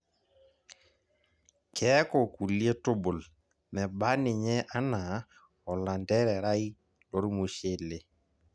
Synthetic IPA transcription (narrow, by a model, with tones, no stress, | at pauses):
kʰɛ˦kɔ˨ku˨lje˦tʊ˦bʊ˨l | mɛ˨ba˦nɪ˨ɲɛ˦ʔa˦na˨ | ɔ˨la˨ndɛ˦ɾɛ˨ɾa˦i˦ | lɔ˦ɾmu˨ʃe˦˨le˨